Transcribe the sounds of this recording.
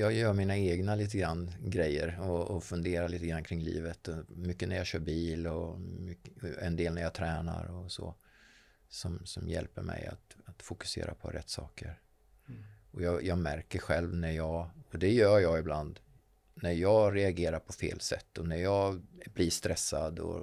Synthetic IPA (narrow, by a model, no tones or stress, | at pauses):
jɑːɡjœːɾmiːnaeːɡnaliːt̪əɡɾanːɡɾɛjːəɾɔːfɵnd̪eːɾaliːt̪əɡɾanːkʰɾɪŋːlḭːvət̪ɔmʏkːənæɾjɑɕœːɾbiːlɔmʏkɛnd̪eːlnæɾjɑt̪ʰɾɛːna̰ɾɔso̰ | sɔmsɔmjɛ̰lpəɾmɛ̰ja̰t̪at̪fʊkɵ̥sḛːɾa̰pʰɔ̰ɾɛ̰t̪ːsɑ̰ːkəɾ | ɔjɑːjɑːɡmæɾkəɧɛlvnæɾjɑːɡɔd̪ɛjœːjɑːɪbland̪ | næɾjɑːɾɛaɡeːɾaɾpʰɔfḛːlsɛ̰t̪ːɔnæɾjɑːɡbliʂt̪ɾɛsːad̪ɔ̰